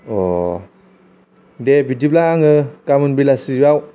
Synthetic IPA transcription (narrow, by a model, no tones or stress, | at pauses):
ɔ | debidip̚laaŋɯkamɯnbilasiɾaw